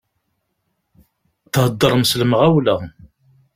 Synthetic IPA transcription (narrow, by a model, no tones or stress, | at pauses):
θhəd̪ˤːəɾˤmsləməʁæwləʁ